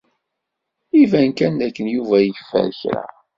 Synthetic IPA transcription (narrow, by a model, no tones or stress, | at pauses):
ivænkænd̪ækːənjuvæjəfːæ̰ɾçɾæ̰